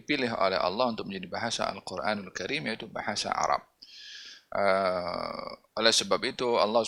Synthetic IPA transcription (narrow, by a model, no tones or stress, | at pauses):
ipilɪɦʔo̰lɛ̰hɑ̰lːɑhunt̪ʊk̚mə̃ɲd͡ʒadibaɦasa̰a̰lqʊrʔa̰nalkaɾimjaʔit̪ubahasa̰ʔa̰ɾˤɑ̰b̚ | ʔə | ʔolɛhsəbap̚it̪uɑ̰lːɑh